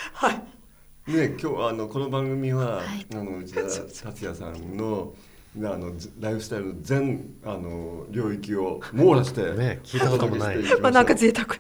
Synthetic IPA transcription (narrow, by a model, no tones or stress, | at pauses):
hai | nekʲoːano̞ko̞no̞bãŋɡɯ̟mʲiβaano̞ɯt͡ɕid̪at̪at͡sɨjasã̰nːo̞ | ano̞ɾaiɸɯ̟st̪aiɾɯnozẽ̞ɴ̃anoɾʲo̞ːikʲio̞mo̞ːɾaɕi̥t̪e̞nekʰʲiːt̪akoeiat̪eiimanãŋkat͡sɨet̪akɯ̟̥